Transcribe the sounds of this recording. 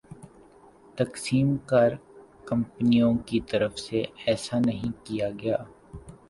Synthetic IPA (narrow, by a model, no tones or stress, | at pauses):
t̪ɐksiːmkɐɾ | kɐ̃mpnijõkit̪ɐɾəfseɛːsanɐɦĩkijaɡɐjaː